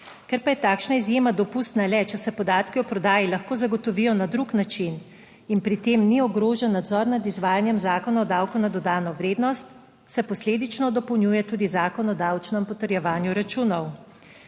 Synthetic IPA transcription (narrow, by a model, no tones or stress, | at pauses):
kɛɾpajɛt̪aːkʃnaizjeːmad̪ɔpust̪nalɛt͡ʃɛsɛpɔd̪aːt̪kiɔpɾɔd̪aːjilaxkoːzaɡɔt̪ɔʋijɔnad̪ɾuknat͡ʃin | inpɾit̪emniɔɡɾoːʒɛnːad̪zɔɾnad̪izʋaːjanjɛmzaːkɔnaɔd̪awkɔwnad̪ɔd̪aːnɔʋɾeːd̪nɔst̪ | sɛpɔsleːd̪it͡ʃnɔd̪ɔpɔwnjuːjɛt̪uːd̪izaːkɔnɔd̪aːwt͡ʃnɛmpɔt̪əɾjɛʋaːnjuɾat͡ʃuːnɔw